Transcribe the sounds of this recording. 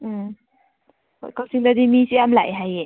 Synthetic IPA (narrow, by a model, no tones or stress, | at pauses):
kawsiŋd̪ad̪imisiamlajɦaje